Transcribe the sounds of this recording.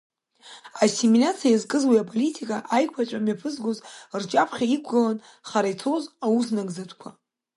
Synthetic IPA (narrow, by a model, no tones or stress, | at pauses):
aseminat͡sʰjaizkʼɨzwiapʼo̞litʰikʼaʔajkʷʰat͡ʃʷʼamɥjapʰɨzɡʷozrt͡ʃʼapʰχʲaikʷɡɨlan | χaɾajt͡sʰozawusnaɡzatʷʰʼkʷʰa